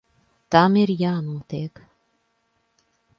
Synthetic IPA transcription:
t̪amiɾjaːnuɔt̪ek

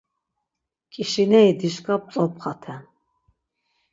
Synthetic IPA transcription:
kʼiʃinɛid̪iʃkʼap̚t͡s̪ʼɔpχat̪ʰɛ

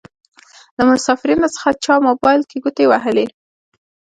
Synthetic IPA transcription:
lamʊsɑfɪɾinot͡sə̥xat͡ʃɑmobɑjlkeɡut̪ewaɦəle

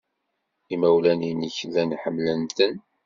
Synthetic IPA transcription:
imæwlæninəçðænħəmːlənt̪ən

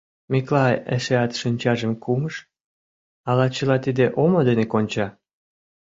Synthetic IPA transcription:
miklɑjḛʃeɑt̪ʃinʲt͡ɕɑʒə̆mkʰuməʃ | ɑlɑt͡ɕəlɑt̪id̪eʔomod̪enekonʲt͡ɕɑ

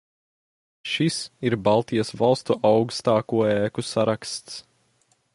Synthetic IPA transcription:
ʃisiɾbalˠt̪ijɐsvalˠst̪uʔawkst̪aːkuɔɛːkusaɾakst̪s

